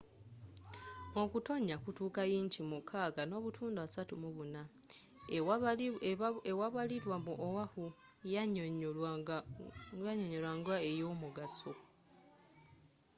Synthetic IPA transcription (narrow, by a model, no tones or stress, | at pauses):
o̞kuto̞ɲːakutuːkajiːɲcimukʰaːɡano̞ːβutʰuːnduasatumuβuna | ewaβaliɾwamuʔowahu | aɲoɲo̞lwaːŋɡwae̞jo̞ːmuɡaso